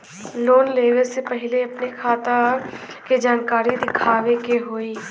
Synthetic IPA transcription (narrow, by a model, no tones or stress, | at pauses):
loːnleːʋeɾsepəɦɪleɐpnekʰaːt̪a | ked͡ʒaːnkaːɾid̪ɪkʰaːʋekeɦoːiː